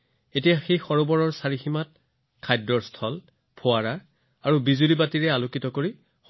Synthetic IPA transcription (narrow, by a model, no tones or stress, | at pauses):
etijaxejxɔɹobɔɹɔɹsaɹiximat̚ | kʰajdɹɔɹstʰɔl | pʰoaɹaɹ | aɹubizulibatiɹɛalokitɔkoɹi